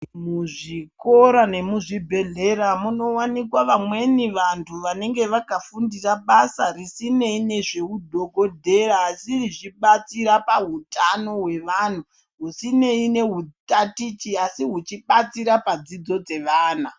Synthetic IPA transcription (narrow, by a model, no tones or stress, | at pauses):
muʐiko̞ɾane̞muʐibʱe̞ɮe̞ɾamuno̞wanikwaʋamwe̞niʋantʰuʋane̞ŋɡe̞ʋakafundiraɓasarisine̞ine̞ʐe̞udʱoɡo̞dʱe̞raːsiriʐiɓat͡siɾapaɦutano̞ɦwe̞ʋan̤u | ɦusine̞ine̞ɦutatit͡ʃiasiɦut͡ʃiɓat͡siɾapad͡zid͡zo̞d͡ze̞ʋaːna